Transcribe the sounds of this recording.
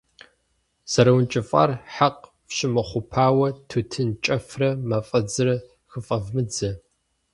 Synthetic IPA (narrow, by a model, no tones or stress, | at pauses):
z̥ɐɾɐwnt͡ʃʼɪfʼa̰rħaq | fɕɪmɐχʷʊpʰaːwɐtʰutʰɨnt͡ʃʼɐfrɐmɐfʼɐd͡zɨrɐ | xɨfʼɐvmɨd͡zɐ